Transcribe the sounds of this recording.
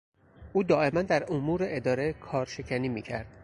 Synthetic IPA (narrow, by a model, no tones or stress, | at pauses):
ʔuːd̪ɒːʔe̞mænd̪æɾomuːɾeʔed̪ɒːɾekʰɒːɾʃe̞cʰæniːmiːcʰæ̰ɾd̪̥